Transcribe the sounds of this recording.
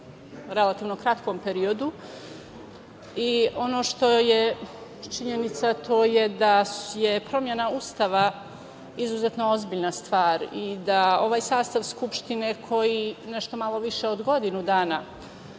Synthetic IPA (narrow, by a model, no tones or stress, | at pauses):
ɾe̞lat̪iːʋno̞kɾat̪ko̞mpe̞ɾio̞d̪u | io̞no̞ːʃt̪o̞jet͡ʃiɲenit̪sat̪ʰo̞ːjed̪ajepɾo̞mje̞naust̪aʋa | izuzet̪no̞ozbiːʎnast̪ʋaːɾid̪ao̞ʋaːjsaːst̪aʋskupʃt̪ine̞kʰo̞jineʃt̪o̞malˠo̞ʋiʃe̞od̪ɡo̞d̪inud̪aːna